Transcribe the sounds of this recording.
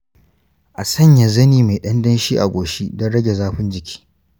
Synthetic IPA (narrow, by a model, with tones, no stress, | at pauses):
ʔa˨sɐ˦˨ɲja˨zɐ˦niː˨ma˨ɗɐ˦ndɐ˦nʃiː˦ʔa̰˨ɡʷoː˨ʃi˦dɐ˦nɽɐ˦ɡʲe˨zaː˦ɸɪ˦nd͡ʒɪ˨kʲʰi̥ː˦